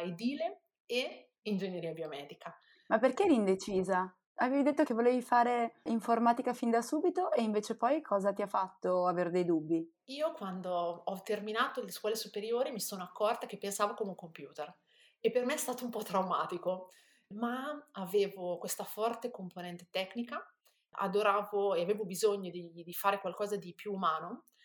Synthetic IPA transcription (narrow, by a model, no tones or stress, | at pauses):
jd̪iːle | e | ind͡ʒenjeɾiːabiomɛːd̪ikʰa | mapːerk̟eɾind̪et͡ʃiːza | aveːvid̪et̪ːok̟evoleːvifaːɾeiɱformaːt̪ikafind̪asuːbit̪oʔeiɱveːt͡ʃepɔjkʰɔːzat̪iafːat̪ːoaveːɾd̪ejd̪ubːi | iːokwand̪oɔt̪ːerminaːt̪oleskwɔːlesupeɾjoːɾimisoːnoakːɔrt̪ak̟epːensaːvokomeuŋkompjuːt̪er | epːermeɛst̪aːt̪oumpɔt̪ːɾawmaːt̪iko | maaveːvokwest̪afɔrt̪ekomponɛnt̪e̥t̪ɛkːnika | a̰d̪oɾaːvoeaveːvobizoɲːod̪id̪ifaːɾekwalkɔːzad̪ipjuːumaːno